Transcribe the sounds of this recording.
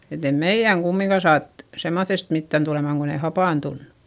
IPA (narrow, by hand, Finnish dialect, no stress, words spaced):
et e meij̆æŋ kumːiŋkɑ sɑːt semːoθːest mitːæn tulemɑˑŋ kon ei hɑpɑˑntunːu̥